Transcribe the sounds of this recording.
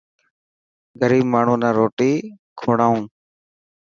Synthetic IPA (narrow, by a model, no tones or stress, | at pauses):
ɡəɾiːbmaːɳ̤ũːnãːɾoːʈiː | kʰoːɽaːũː